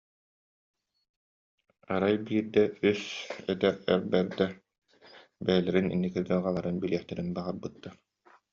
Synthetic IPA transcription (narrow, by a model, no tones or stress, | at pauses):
aɾajbiːɾd̪ɛysɛt̪ɛɾɛ̰ɾbɛɾd̪ɛ | bɛːlɛɾinḭnːikiɾɡɯʁalˠaɾɯnbiliɛχt̪ɛɾinbaʁaɾbɯt̪ːaɾ